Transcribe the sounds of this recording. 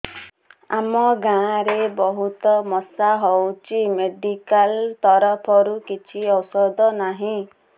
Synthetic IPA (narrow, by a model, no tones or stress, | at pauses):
a̰mɔɡãɾebɔɦut̪ɔmɔsaɦɔwt͡ʃʰimeɖikalt̪ɔɾɔpʰɔɾukit͡ʃʰiɔwsɔd̪ɔnaɦĩ